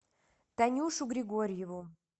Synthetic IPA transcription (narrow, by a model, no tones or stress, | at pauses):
t̪anʲuʃuɡɾʲɪɡoɾʲjevu